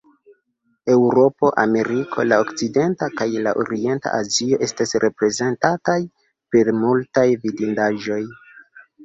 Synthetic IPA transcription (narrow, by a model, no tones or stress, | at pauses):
e̞wɾo̞po̞ʔa̰me̞ɾikʰo̞̰laokt͡side̞ntakajlaʔo̰ɾie̞nta̰ʔazio̞ʔe̞stasɾʔe̞pɾe̞ze̞ntataj | pe̞ɾmultajvidindaʒo̞j